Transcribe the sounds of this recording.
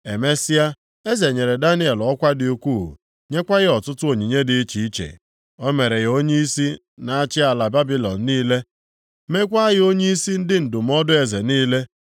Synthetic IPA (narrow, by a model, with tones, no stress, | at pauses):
e˨me˦sɪ˦a˦ | e˦ze˨ɲe˨ɾe˨da˦ni˦e˨lɔ˦kʷa˦dɪ˨u˦kʷṵ˦˨ | ɲe˦kʷa˦ɣɪ˦ɔ˨tʊ˦tʊ˦o˨ɲi˨ɲe˦dɪ˦t͡ʃi˨i˦t͡ʃḛ˨ | ɔ˦me˨ɾe˨ɣo˦ɲe˦i˦si˦ | na˨a˦t͡ʃɪ˦a˨la˨ba˦bi˦lɔ˨n̩ː˨˦iː˦le˦ | me˦k̬ʷa˦ɣɪ˦o˦ɲe˦i˦si˦n̩˦dɪ˦n̩˨dʊ˨m̩˦ɔ˦dʊ˦e˨ze˨niː˦le˦